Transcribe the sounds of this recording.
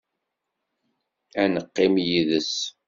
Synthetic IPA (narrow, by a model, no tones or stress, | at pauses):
ænəqːɪmjiðəs